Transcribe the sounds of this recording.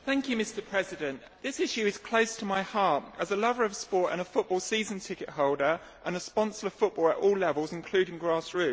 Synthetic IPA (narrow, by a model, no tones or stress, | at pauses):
θæ̃ŋkjʉmɪstəpʰɹ̥ɛzɪdə̃nʔ | ðɪsɪʃʉɪz̥kʰl̥əʊstʰəmaɪhɑˑtəzəlʌvəɹəv̥spɔˑtə̰̃ñəfʊʔ̚b̥ɔːlˠsiːzə̃ntʰɪkɪʔɦɒʊlˠdəɹ | ʔə̃nəspɒ̃nsəɹəv̥fʊʔ̚b̥ɔːlˠətɔːlɛvəlˠzɪ̃nkʰl̥ʉːɾɪ̃ŋɡɹɑˑsɹʉˑ